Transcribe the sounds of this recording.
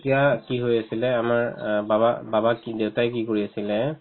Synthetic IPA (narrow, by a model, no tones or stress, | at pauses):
tijakiɦojasilɛamaɹbabababakidewtajkikoɹiasilɛ